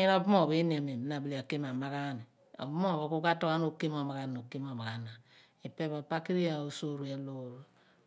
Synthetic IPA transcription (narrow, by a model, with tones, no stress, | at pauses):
ɲi˦n˦o˦bu˦mo˦˨bi˦n˨a˨me˨m˨na˨bli˨a˨ke˦m˨a˨ma˦ka˦ni˨ | o̰˨bmo˦˨βo˨ku˦ka˦to˦ka˦n˦o˦ke˦mo˨ma˨ka˦no˨ki˦m˦o˨ma˨ka˨na˨ | i˨pe˦ba˨pa˦ki˦ɾi˦ja˨u˦so˦˨ɾu˨ja˦lo˦˨ɾu˦